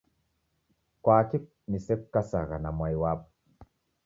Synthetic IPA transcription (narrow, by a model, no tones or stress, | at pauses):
kwaːkik̚nisep̚kːasaɣanamajwap̚